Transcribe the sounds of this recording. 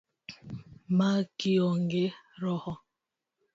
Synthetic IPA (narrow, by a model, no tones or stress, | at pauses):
makiɔŋɡeɾɔhɔ